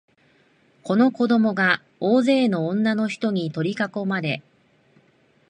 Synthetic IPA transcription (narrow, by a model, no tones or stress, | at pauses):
ko̞no̞ko̞d̪o̞mo̞ɡa | oːze̞ːnõ̞ːnːano̞çi̥t̪o̞ɲ̟it̪o̞ɾʲikako̞maɾe̞